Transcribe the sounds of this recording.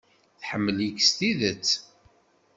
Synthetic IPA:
θħəmːəljəkst̪iðət͡sː

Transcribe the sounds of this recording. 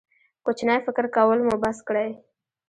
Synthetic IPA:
kʊt͡ʃnajfɪkɾkawəlmubaskɽaj

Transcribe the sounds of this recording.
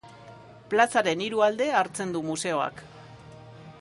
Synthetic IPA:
plasaɾe̞niɾuald̪e̞aɾt͡se̞nd̪umuse̞o̞a̰k

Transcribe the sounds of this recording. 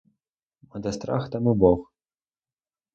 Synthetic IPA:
mɐd̪ɐst̪ɾa̰xt̪ɐmɨbɔx

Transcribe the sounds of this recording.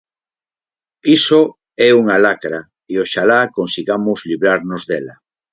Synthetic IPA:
iso | ɛuŋalakɾa | ioʃalakonsiɣamozliβɾaɾnozðela

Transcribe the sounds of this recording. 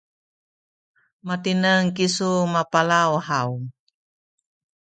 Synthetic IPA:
mat̪inəŋkisumapalauhaum

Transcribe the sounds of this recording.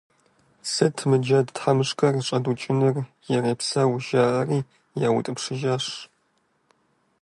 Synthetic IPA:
sɐtʰmɨd͡ʒɐdtħamɨʂkʰʼɐrɕʼɐdut͡ʃʼɪnɨrjɛreːpsɐwʊʒaːʔɐriː | jaːwʊ̰tʼɨpʂɨʒaːʂ

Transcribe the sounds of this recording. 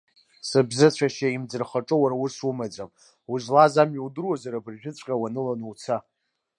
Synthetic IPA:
sabzɨt͡ɕʷʰaʃaimd͡zɨrχaʈ͡ʂʼɨwaɾawusumad͡zam | uʒlazamiwdɨrwazaɾabɨrʒᶣɪt͡sʷʼqʲʼawanɨlanuwt͡sʰa

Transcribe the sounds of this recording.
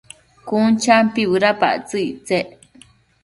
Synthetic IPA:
kunt͡ʃampiβɨɾapa̰ʔt͡sɨiʔt͡seʔ

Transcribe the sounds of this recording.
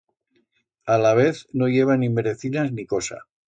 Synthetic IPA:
alaβ̞e̞θnoʝe̞β̞animeɾeθinazniko̞sa̰

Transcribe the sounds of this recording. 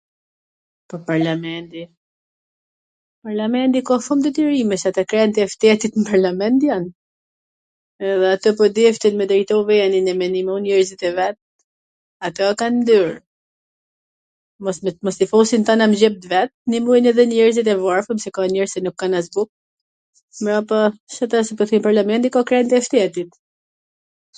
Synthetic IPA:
pɔpaɾlamɛnt̪i | paɾlamɛnt̪ikafumd̪ət̪iɾimɛsɛat̪akɾɛnt̪iɛft̪ɛt̪it̪npaɾlamɛnt̪jan | ɛðɛat̪əp̬ɔd̪ɛft̪inmɛd̪ɾɛjt̪ɔvɛɛninɛmɛnimɔnɛɾzit̪ɛvɛt̪̚ | at̪ɛakannd̪yɾ | mɔsmɔst̪ifɔsint̪anamd͡ʑɛp̚t̪vɛt̪̚nimunɛðɛnɛɾzit̪̬ɛvɔɾfumsɛkanɛɾsɛnukːanazbuk̚ | mɾapasat̪asɛpɔθimpaɾlamɛnt̪ikakɾɛnt̪iɛft̪ɛt̪it̪

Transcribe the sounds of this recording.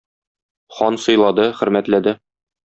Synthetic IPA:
χɒnsɤ̆jlˠɑd̪ɤχɵ̆ɾmæt̪læd̪ɘ

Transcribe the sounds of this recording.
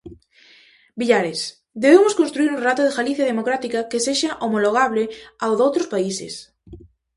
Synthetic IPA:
biʎaɾes | d̪eβemʊskõnst̪ɾuiɾũnrat̪oðeɣaliθjaðemokɾat̪ikakeseʃaʔomoloɣ̞aβlɪawðowt̪ɾospaisɪ̰s

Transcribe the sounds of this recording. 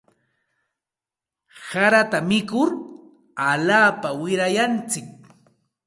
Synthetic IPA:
saɾat̪amɪkʊɾ | aʎaːpawɪɾajant͡sɪk̚

